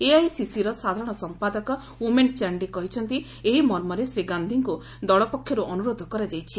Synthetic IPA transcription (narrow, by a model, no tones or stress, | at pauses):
eaisisiɾɔsad̪ʱaɾɔ̃ɽ̃ɔsɔmpad̪ɔkɔ | ument͡ʃaɾɳɖikɔɦit͡ʃʰɔnt̪i | eɦimɔɾmɔɾesɾiɡand̪ʱiŋku | d̪ɔɭɔpɔkʰːjɔɾuʔɔnuɾod̪ʱɔkɔɾad͡ʒajt͡ʃʰi